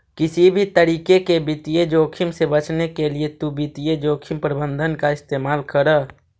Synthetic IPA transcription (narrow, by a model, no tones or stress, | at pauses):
kisibʱit̪əɾikekebit̪ijed͡ʒoːkʰimsebət͡ʃʰnekeliet̪ubit̪ijed͡ʒoːkʰimpɾəbənd̪ʱənkaɪst̪emalkəɾə